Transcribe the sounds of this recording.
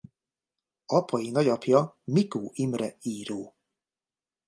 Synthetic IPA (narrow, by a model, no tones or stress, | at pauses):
ɒpɒjinɒɟɒpjɒ | mikoːʔimrɛiːɾoː